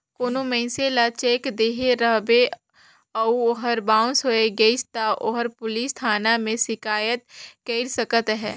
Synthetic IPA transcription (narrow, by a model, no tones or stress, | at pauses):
koːnomɛ̃ɪ̃selat͡ʃeːkd̪eːɦeɾəɦbe | əuoɦəɾbãːʊ̃soeɡeɪst̪aʔoɦəɾpʊlist̪ʰaːnamẽsɪkaːjət̪̚keɪɾsəkət̪ɦɛː